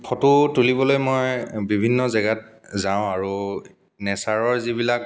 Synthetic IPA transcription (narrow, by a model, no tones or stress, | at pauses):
pʰɔtutulibɔlojmojbibʱinːɔzɛɡat̚zaʊ̃aɹu | nɛsaɹɔɹzibilak̚